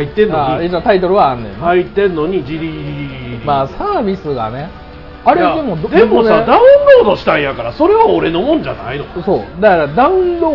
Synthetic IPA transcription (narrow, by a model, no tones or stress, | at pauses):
ait̪ːẽnːaisat̪ait̪o̞ɾɯ̟βãːnːḛ̃nait̪ẽ̞nːo̞ɲ̟id͡ʑiɾʲiimaːsaːbʲisɨɡa̰ne̞ | aɾead̪e̞mo̞d̪d̪emonsad̪aɯ̟̃nɾo̞ːd̪o̞ɕi̥t̪ãɰ̃jakaɾaso̞ɾe̞βaoɾe̞nomõ̞ɲd͡ʑa̰na̰inoso̞ːd̪akaɾad̪aɯ̟̃nɾo